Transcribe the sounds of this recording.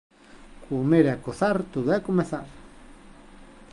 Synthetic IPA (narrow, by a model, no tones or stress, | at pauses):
kumeɾakosaɾt̪uðakumeθaɾ